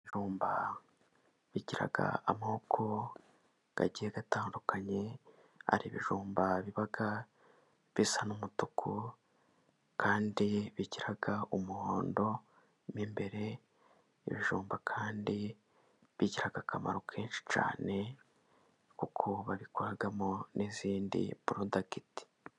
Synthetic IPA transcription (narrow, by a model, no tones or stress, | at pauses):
βiʒuːmba | βiɟiɾa̰ɡa̰amoːkʰo | ɡ̥a̰ɟieɡataːndukaɲe̞ | a̰ɾiβḭʒuːmbaβiβaɡa | βisanumutukʰu | kaːndiβiɟiɾaɡaumuhoːndo̞ | mimbe̞ɾe̞ | ḭβiʒuːmbakʰaːndi | βiɟiɾaɡakama̰ɾokʰe̞ːnʃi̥t͡ʃa̰ːne̞ | kukʰoβaβikoɾaɡamoniziːndḭβuɾundaɡiti̥